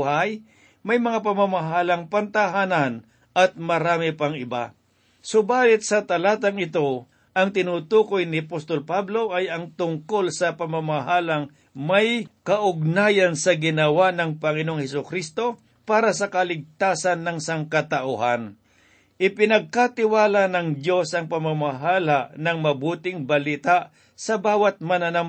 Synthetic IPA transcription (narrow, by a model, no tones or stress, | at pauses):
haj | mɐjmɐŋap̬ɐmamaɦaːlɐŋpɐnt̪aɦaːnan | ʔɐt̪̚mɐɾaːmɪpɐŋɪba̰ | sʊbaːlɪt̪̚sɐt̪ɐlaːt̪ɐŋɪt̪o̞ | ʔɐŋt̪ɪnuːt̪uːkojnɪɐpost̪olpablo̞ʔɐjɐŋt̪ʊŋko̞lsɐpɐmamaɦaːlɐŋ | mɐjkɐʔʊɡ̚naːjɐnsɐɡɪnɐwanɐŋpɐŋɪnoŋhɛsʊkɾist̪o̞ | paːɾɐsɐkɐlɪɡ̚t̪aːsɐnːɐŋsaŋkɐt̪ɐʔʊhan | ʔɪpɪnɐɡ̚kat̪ɪwaːlanɐŋd̪jo̞sɐŋpɐmamaɦaːlanɐŋmɐbuːt̪ɪŋbɐlit̪aʔ | sɐbaːwɐt̪̚mɐnanɐm